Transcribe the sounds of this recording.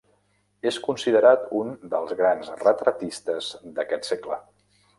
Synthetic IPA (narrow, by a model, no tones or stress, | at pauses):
eskunsiðəɾat̪und̪əlˠzɣɾanzrət̪ɾət̪ist̪əzd̪əkɛt̪seklə